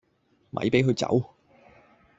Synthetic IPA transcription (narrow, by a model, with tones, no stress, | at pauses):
mʔɐ̰˨˥jpe˨˥jɦɵ˧ɥt͡sɐ̰˨˥w